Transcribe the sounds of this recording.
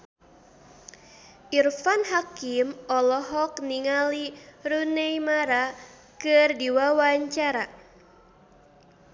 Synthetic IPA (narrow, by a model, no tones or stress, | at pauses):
ʔirfanɦakimɔlɔɦɔkniŋaliɾunejmaɾa | kɨrdiwawaɲt͡ʃaɾa